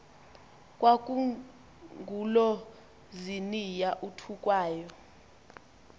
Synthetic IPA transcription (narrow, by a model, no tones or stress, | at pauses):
kʼwak̬ʼu | ŋɡʱulɔ | zinijaʔutʰukʼwaːjɔ